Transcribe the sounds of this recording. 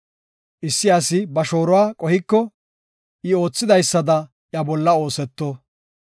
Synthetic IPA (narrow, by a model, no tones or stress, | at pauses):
ʔɪsːɪɐsɪbɐʃo̞ːɾɔwaːkʼɔhɪkːɔ | ʔɪo̞ːt͡sːɪd̪ɐjsːɐd̪ɐ | jɐbɔlːɐo̞ːsɛt̪ːoː